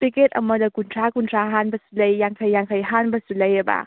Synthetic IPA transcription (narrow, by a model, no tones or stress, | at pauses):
piket̚ɐmɐdɐkuntʰɾakuntʰɾaɦanbɐsulɐjːaŋkʰɐjːaŋkʰɐjɦanbɐsulɐjɐba̰